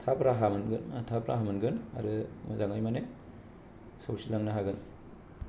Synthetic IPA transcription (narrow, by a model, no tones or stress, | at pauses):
tʰapɾaɦamɯnɡɯnatʰapɾa̰ɦamɯnɡɯna̰ɾɯmɐzaŋajmane | sawsilaŋnaɦaɡɯn